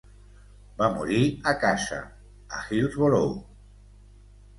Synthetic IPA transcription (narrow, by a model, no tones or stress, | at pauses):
bamṵɾiakasa̰ | a̰xilzβolow